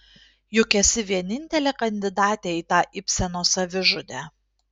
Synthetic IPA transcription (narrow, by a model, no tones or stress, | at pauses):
jʊkʲɛsʲɪʋʲiɛnʲɪnʲt̪ʲɛlʲeːkɐnʲd̪ʲɪd̪ɑːt̪ʲeːiːt̪ɑːʔɪpʲsʲɛnoːsɐʋʲɪʒʊd̪ʲæː